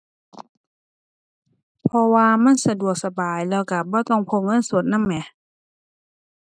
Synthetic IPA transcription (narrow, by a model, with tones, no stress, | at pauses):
pʰɔ˧waː˧ma˧˥˨nsa˧du˨˩ək̚sa˧baː˨˩jlɛː˧˩wka˧˩bɔː˧˦t̪ɔ˧˥˨ŋpʰo˧˥˨ŋɤ˧˥˨nsu˧˩ət̪̚na˧˥˨mːɛ˧˩